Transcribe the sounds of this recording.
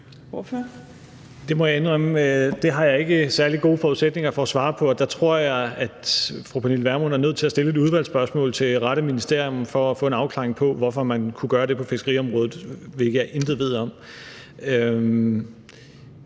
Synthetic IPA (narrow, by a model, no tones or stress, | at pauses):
f | d̥e̝mɒjɑenʁemd̥e̝ɦɑ̈jɑ̈e̝ɡ̥əsæɐliɡ̥o̝ːfɒːuðˠseɡ̥ne̝ŋɐfɒ̽ːsʋɑ̈ːpʰɒ̽ɒ̽d̥ɑ̈t͡sʰʁo̝ɐ̰jɑ̈ɪæd̥fʁopʰænilʋæɐmonæɐnøð̰ˠt͡sʰe̝æsd̥e̝ləe̝duð̞ˠʋæl̰sb̥ɶɐsmɔ̰̽ːlt͡sʰe̝ʁɑ̈ɾ̥əminisd̥e̝ɐ̰jɔ̽mfɒ̽ːfɔ̽ːe̝nɑ̈ʊkʰlɑ̈ːʁeŋpʰɒ̽ʋɒfɒ̽mænkʰuɡ̥ɶːɐɾ̥e̝pʰɒ̽fe̝sɡ̥ʁḭːɒ̽mʁɔ̽ːð̩ˠʋe̝ɡəjɑ̈ɪʔe̝nd̥ð̩ˠʋe̝ð̞̰ˠɒ̽m | ø